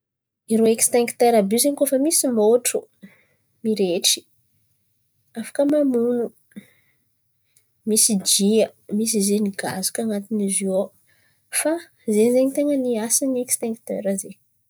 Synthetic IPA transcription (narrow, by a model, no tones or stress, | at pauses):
iɾoekst̪eŋkt̪eɾabuzeɲikofəmisimoʈ͡ʂu | miɾeʈ͡ʂi̥ | afḁkəmamunu | misid͡ʒiəmisizeniɡa̰zu̥kaŋat̪inizio | fa | zenzeɲit̪eŋəniasiniekst̪ẽŋkt̪ḛɾəze